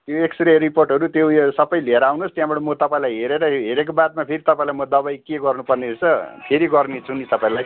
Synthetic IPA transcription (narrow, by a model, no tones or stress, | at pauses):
t̪joeksʈreɾiporʈɦʌɾut̪josʌbʌjleɾawnost̪jãbʌɽʌmʌt̪ʌpãĩlajɦeɾeɾʌɦeɾek̬obat̪̚mapʰeɾit̪ʌpãĩlajmʌd̪ʌbajkeɡʌrnupʌrnet͡sʌpʰeɾiɡʌrnit͡sʰunit̪ʌpãĩlaj